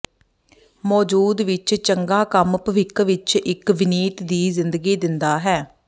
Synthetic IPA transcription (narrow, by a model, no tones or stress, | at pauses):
mɔːd͡ʒuːd̪ʋɪt͡ʃt͡ʃəŋɡaːkəmpʋɪkʋɪt͡ʃɪkʋɪniːt̪d̪iːzɪnd̪əɡiːd̪ɪnd̪aːɦɛː